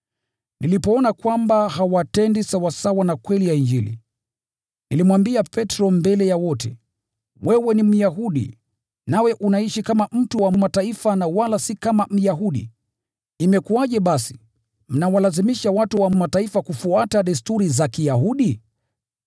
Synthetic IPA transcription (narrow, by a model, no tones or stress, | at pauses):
nilipɔɔnakwambaɦawatɛndisawasawanakwɛlijaind͡ʒilḭ | nilimwambiapɛtɾɔmbɛlɛjawɔtɛ̰ | wɛwɛnim̩jaɦuɗḭ | nawɛʔunaiʃikamam̩tuwamataifanawalasikamam̩jaɦuɗḭː | mɛkuaʄɛɓasi̥ | m̩nawalazimiʃawatuwamataifakufuataɗistuɾizakijaɦuɗi